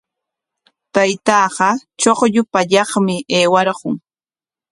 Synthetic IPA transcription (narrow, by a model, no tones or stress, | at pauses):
t̪ajt̪ɑːɢɑt͡ʃoχʎʊpaʎɑχmɪʔeːwaɾɢʊŋ